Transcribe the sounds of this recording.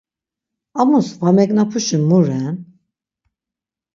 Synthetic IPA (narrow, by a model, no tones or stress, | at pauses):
amusvamɛknapʰuʃɨnmuɾɛn